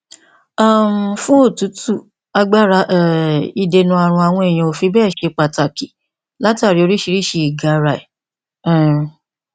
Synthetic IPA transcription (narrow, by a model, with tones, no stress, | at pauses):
a˦˨m˨fũ˦o˦˨tu˨˦tu˦˨ | a˧ɡ͡ba˦˨ɾa˧˦ʔi˧de˧nũ˧a˨ɾ̃ũ˧a˧w̃ɔ̃˧e˨j̃ĩ˧o˨˧fi˧bɛ˦˨ʃe˧k͡pa˧˨ta˨ki˨ | la˦ta˦˨ɾi˨˦o˧ɾi˦ʃi˧ɾi˦˨ʃe˧i˨ɡa˨˦˧ɾa˧˨i˨˦˨